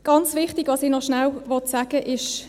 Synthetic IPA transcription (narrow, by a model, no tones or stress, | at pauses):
ɡ̥ɑnt͡sʋɪχtiɡ̥ʋɑsinɔχʃnawʋɔtsaːɡ̥əʔɪʃ